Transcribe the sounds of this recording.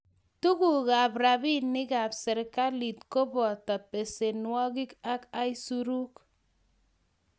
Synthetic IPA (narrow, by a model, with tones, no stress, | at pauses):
tu˦ku˨ka˨pɾa˨bi˦nːɪ˦ka˨psɛ˨ɾka˦li˨t̚ko˦bɔ˨tɔ˨pe˨se˨nwɔ˦ki˦ka˦ka˦i˦su˦ɾu˦k